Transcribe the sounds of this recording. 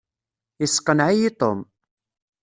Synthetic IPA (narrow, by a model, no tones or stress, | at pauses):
ɪsqənʕijit̪om